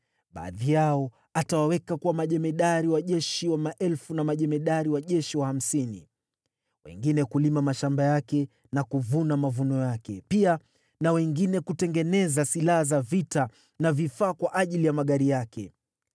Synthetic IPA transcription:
ɓa̰ːðijaɔ | atawawɛkakuwamaʄɛmɛɗaɾiwaʄɛʃiwamaʔɛlfunamaʄɛmɛɗaɾiwaʄɛʃiwaham̩sinḭ | wɛ̰ŋɡinɛkulimamaʃambajakɛ | nakuvunamavunɔjakɛ̰pia | nawɛŋɡinɛkutɛŋɡɛnɛzasilahazavita | navifaːkwaʔaʄilijamaɠaɾijakɛ̰

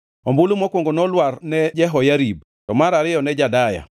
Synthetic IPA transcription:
ombulomɔkwoŋɡonɔlwarnɛd͡ʒɛɦɔjaɾib̚ | tɔmaɾaɾɪjɔnɛd͡ʒadaja̰

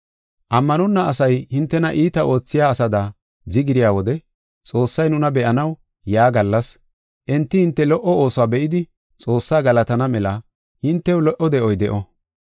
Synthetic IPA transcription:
ʔɐmːɐnɔnːɐɐsɐjhɪnt̪ːɛnɐʔiːt̪ɐʔo̞ːt͡sːɪjaːsɐd̪ɐ | zɪɡɪɾɪjaːwɔd̪ɛ | t͡sʼo̞ːsːɐjnʊnɐbɛʔɐnɐw | jaːɡɐlːɐs | ʔɛnt̪ːɪhɪnt̪ːɛlɔʔɔo̞ːsɔaːbɛʔɪd̪ɪ | t͡sʼo̞ːsːaːɡɐlɐt̪ɐnɐmɛlɐ | hɪnt̪ːɛwlɔʔɔd̪ɛʔɔjd̪ɛʔɔ

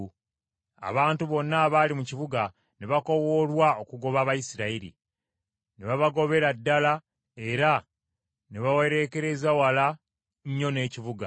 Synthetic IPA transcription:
a̰βaːntuβo̞nːaːβalimucivuɡa | neβako̞wo̞ːlwao̞kuɡo̞βaːβajisiɾaiɾḭ | neβaβaɡo̞βe̞ɾadːala | e̞ɾa | neβawe̞ɾe̞ːke̞ɾe̞zawala | ɲːo̞ne̞ːcivuɡa

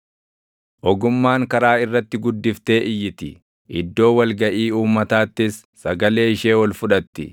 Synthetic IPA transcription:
ʔɔɡʊmːaːŋkɐɾaːɪrːɐt̪ːɪɡʊd̪ːɪft̪e̞ːʔɪjːɪt̪ɪ | ʔɪd̪ːo̞ːwɐlɡɐʔiːuːmːɐt̪aːt̪ːɪsːɐɡɐle̞ːɪʃeːwɐlfʊᶑɐt̪ːɪ̰

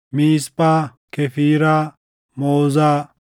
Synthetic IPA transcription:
miːspaː | kʰefiːɾaː | moːzaː

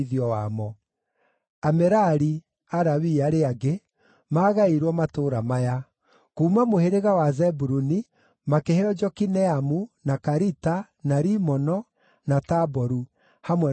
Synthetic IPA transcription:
ðiɔwamɔ | amɛɾaɾi | aɾawiaɾeaɡe | maːɣaiɾwɔmatoːɾamaja | kuːmamoheɾeɣawazɛbuɾuni | makehɛɔd͡ʒɔkinɛamunakaɾita | naɾimɔnɔ | natabɔɾu | hamwɛ

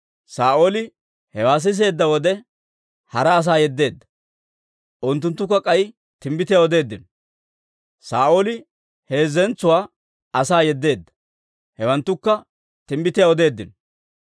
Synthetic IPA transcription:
saːʔoːlɪ | hɛwaːs̬ɪs̬e̞ːd̪ːɐwɔd̪ɛ | hɐɾɐːs̬aːjɛd̪ːe̞ːd̪ːɐ̥ | ʔʊnt̪̬ːʊnt̪ːʊkːɐkʼɐj | t̪ɪmbɪt̪ɪjaːɔd̪e̞ːd̪ːɪn | saːʔoːlɪ | he̞ːzɛnt͡sːʊwaː | ɐsaːjɛd̪ːe̞ːd̪ːɐ̥ | hɛwɐnt̪ːʊkːɐ | t̪ɪmbɪt̪ɪjaɔd̪e̞ːd̪ːɪn

